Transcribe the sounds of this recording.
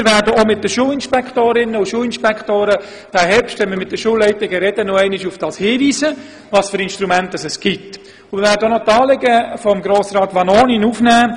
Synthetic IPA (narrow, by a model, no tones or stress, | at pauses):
ɪɾʋæːɾdəomɪt̚dəʃuːlɪnʃpɛktoːɾɪnəʊʃuːlɪnʃpɛkʰtoːɾə | d̥æːɦɛɾpʃtʋɛnməɾmɪt̚d̥əʃuːlɛɪtɪɡəɾɛdənɔɛɪnɪʃufd̥ɑːshiːʋiːzə | ʋɑːsføɾɪnʃtɾumɛntəsɛsɡ̥ɪt | ʊmɪɾvæːɾdəonɔtɑːlɪɡəfɔmɡɾoːsɾɑːt̪ʋɑnoːninufnæː